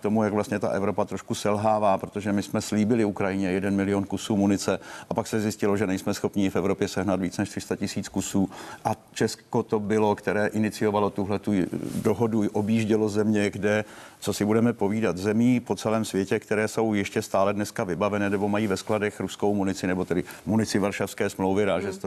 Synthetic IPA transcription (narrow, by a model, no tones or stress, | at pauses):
t̪o̞mujaɡvlast̪ɲɛt̪a̰ʔɛvɾo̞pat̪ɾoʃkusɛlɦaːvaːpɾot̪o̞ʒɛmɪsmɛsliːbɪlɪukɾajɪɲɛjɛdɛnmɪlɪjo̞nkusuːmunɪt͡sɛʔapaksɛzjɪscɪlo̞ʒɛnɛjsmɛsxo̞pɲiːfɛvɾo̞pjɛsɛɦnat̪viːt͡snɛʃt̪r̥ɪ̥st̪acɪsiːt͡skusuːʔat͡ʃɛsko̞t̪o̞bɪlo̞kt̪ɛɾɛːʔɪnɪt͡sɪjo̞valo̞t̪uɦlɛt̪udoɦoduʔo̞bjiːʒɟɛlo̞zɛmɲɛɡdɛt͡so̞sɪbudɛmɛpo̞viːdat̪zɛmiːpo̞t͡sɛlɛːmsvjɛcɛkt̪ɛɾɛːso̞wjɪʃcɛst̪aːlɛdnɛskavɪbavɛnɛnɛbo̞majiːvɛskladɛxɾuskowmunɪt͡sɪnɛbo̞t̪ɛdɪmunɪt͡sɪvaɾʃafskɛːsmlowvɪɾaːʒɛs